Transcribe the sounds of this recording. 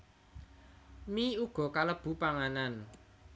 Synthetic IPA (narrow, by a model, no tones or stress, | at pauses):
miuɡ̥ɔ̤kaləb̥ṳpaŋanan